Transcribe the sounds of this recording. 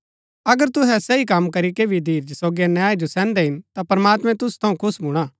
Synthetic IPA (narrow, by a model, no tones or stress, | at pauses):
ɐɡəɾt̪ʊɦɛsɐikɐmkɐɾikeːbʱid̪ʱiːɾd͡ʒsoːɡianjaːid͡ʒosɛ̃ːnd̪ɛɦɪnt̪apɐɾmaːt̪mɛ̃t̪ʊst̪ʰɐũkʰʊsbʊɽ̃aː